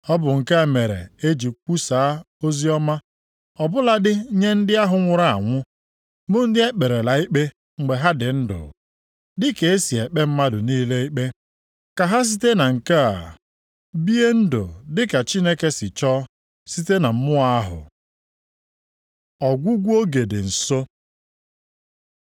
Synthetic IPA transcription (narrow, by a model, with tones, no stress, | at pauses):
ɔ˦bʊ˨ŋ̩˨ka˦˨me˨ɾḛ˨e˦d͡ʒi˨k͡pu˦saː˨˦ | o˦zi˦ɔ˦ma˦ | ɔ˨bʊ˦la˨dɪ˦ɲe˦n̩˦dɪ˦a˦ɦʊ˨ŋʷʊ˨ɾa˨a̰˨ŋʷʊ˦ | mʊ˦n̩˦dɪ˦e˦k͡pe˨ɾe˨la˨i˦k͡pe˦ | ŋ͡m̩˨ɡ͡be˨ɦa˦dɪ˨n̩˦dʊ̰˨ | dɪ˦ke˨e˦si˨e˨k͡pe˦m̩˦ma˦dʊ˨niː˦le˦i˦k͡pe˦ | ka˨ɦa˦s̬i˦te˦na˨ŋ̩˨ka˦a̰˨ | bi˦e˦n̩˦dʊ̰˨dɪ˦ka˨t͡ʃi˦ne˦ke˦sɪ˨t͡ʃɔ˦ | si˦te˦na˨m̩˦mʊ˦a˦ɦʊ̰˨ | ɔ˨ɡʷu˦ɡʷu˦o˦ɡe˨dɪ̰˨n̩˨so˦